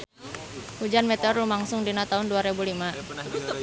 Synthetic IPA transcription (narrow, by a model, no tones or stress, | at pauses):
hud͡ʒanmɛt̪ɔrlumaŋsʊŋdinat̪aɦunduaɾebulima